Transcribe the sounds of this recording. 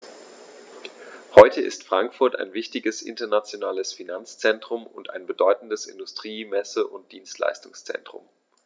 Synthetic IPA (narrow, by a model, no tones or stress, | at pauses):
hɔʏtʰəʔɪ̰stfʁ̥aŋkfʊɐta̰ɪnvɪçtɪɡəsʔɪ̰ntɐnat͡sjonaːləsfinant͡st͡sɛntʁ̥ʊmʊnta̰ɪnbədɔʏtn̩dəsɪ̰ndʊstʁ̥iːmɛsəʔʊnt̚d̥iːnstla̰ɪstʊŋst͡sɛ̰ntʁ̥ʊ̰m